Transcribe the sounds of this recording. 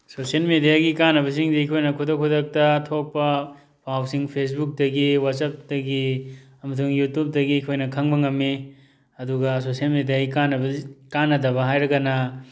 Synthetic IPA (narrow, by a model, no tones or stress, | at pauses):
sosielmedijaɡikanɐbɐs̬iŋdiikʰojnɐkʰudɐkʰudɐk̚tɐtʰok̚pɐ | bʰawsiŋpʰes̬buk̚dɐɡiwatsɐp̚dɐɡi | ɐmɐt̬ʰuŋjutup̚dɐɡiːkʰojnɐkʰɐŋbɐŋɐmːi | ɐduɡɐsosiɐlmedijaɡikanɐbɐkanːɐdɐβɐɦajɾɐɡɐnɐ